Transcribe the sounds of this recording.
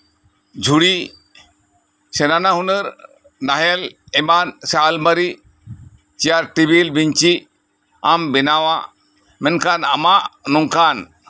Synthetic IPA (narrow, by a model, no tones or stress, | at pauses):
d͡ʒʱuɽi | sɛnanaɦunəɾ | naɦɛlɛmansalməɾi | t͡ʃijaɾʈibilbiɲt͡ʃi | ambinawa | mɛnkanamaʔnɔŋkan